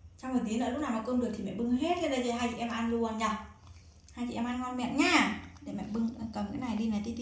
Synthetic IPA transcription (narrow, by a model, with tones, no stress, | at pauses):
t͡ɕɔ˧wŋ͡mmə˨˩t̪i˨˦nə̰˧˥˦lk͡p̚naː˨˩maː˨˩ko˧nɗɨ˨˩ək̚t̪i˨˩mɛ̰˧˨ɓɨ˧ŋɦe˦˥t̚kə˧˦ɗə˧˩zə˧˩ɦaː˧jt͡ɕḭ˧˨ʔɛ˧mʔa˧nlu˧ə˧nɲa˧˩ | haː˧jt͡ɕḭ˧˨ʔɛ˧mʔaː˧nŋɔ˧nmɛ̰˧˨nɲaː˧˩ɗe˧˩mɛ̰˧˨ɓɨ˧ŋ˧kə˨˩mkə̰˧˥˦na˨˩jɗi˧na˨˩jt̪i˧i˧˨